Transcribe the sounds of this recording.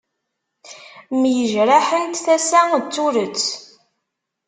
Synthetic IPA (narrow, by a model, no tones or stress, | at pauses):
mjəʒɾaħəlt̪θæsæt͡sːuɾət͡sː